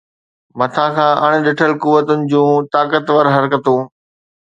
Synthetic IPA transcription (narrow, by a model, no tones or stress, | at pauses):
mɐt̪ʰãkʰãːʔɐɽ̃̆ɗɪʈʰəlkuʋət̪ʊnɪ̆d͡ʑũːt̪aːkət̪ʋɐɾɦɐɾkət̪ũː